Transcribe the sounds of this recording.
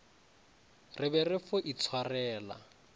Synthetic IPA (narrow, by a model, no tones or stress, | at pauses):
rɪbɛrɪfʊʔit͡sʰwarɛːla̰